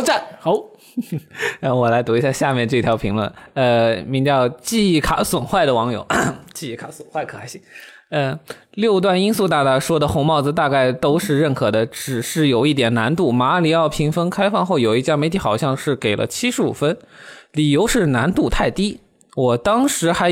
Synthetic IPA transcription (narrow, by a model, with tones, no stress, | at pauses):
ʈ͡ʂa˥˩xo˧˥ʊ˧˩ | wɔ˨˩la˧˥ɪt̪u˧˥i˧˥ɕja˥˧ɕja˥˧mʲjɛ˥˧nʈ͡ʂɤ˥˩˧t̪ʰjɑ˧˥pʰi˧˥ŋlə̰˥˩nə˧mi˧˥ŋt͡ɕjɑ˥˧ʊt͡ɕi˥˧˥kʰa˨˧˥swə˨˩nxwa˥˩ɪd̪ə˩wɑ˧˥ŋjo̰˨˩˦ʊt͡ɕi˥˧i˧˩kʰa˨˧˥swə˨˩nxwa˥˩ɪkʰɤ˧˩a˧˥ɕi˥ | ə˧ | ljo˥˧ʊt̪̬wa˥˩ni˥nsu˥˧t̪a˥˩t̪a˧˥ʂwɔ˥d̪ə˨xʊ˧˥ŋmɑ˥˩ʊd͡zɹ̩˩t̪a˥˧ka˥˩ɪt̪o˥ʊʂɻ̩˥˧ɻə˥˩nkʰɤ˨˩d̪ə˦ʈ͡ʂɻ̩˨˩ʂɻ̩˥˩jo˨˩ʊi˥˩t̪̬jɛ˨˩na˧˥nt̪u˥˩ma˧˥li˨˧˩ɑ˥˩ʊpʰi˧˥ŋfə˥nkʰa˥ɪfɑ˥˧ŋxo˥˩ʊjo˨˩ʊi˥˧t͡ɕja˥me˧˥ɪt̪ʰi˧˥xɑ˨˩ʊɕjɑ˥˧ŋʂɻ̩˥˩ke˨˩ɪlʔə̰˦t͡ɕʰi˥ʂɻ̩˧˥ṵ˨˩fə˥nli˨˩jo˧˥ʊʂɻ̩˥˩na˧˥nt̪u˥˧t̪ʰa˥˩ɪt̪i˥ | wɔ˨˩t̪ɑ˥ŋʂɻ̩˧˥xa˧˥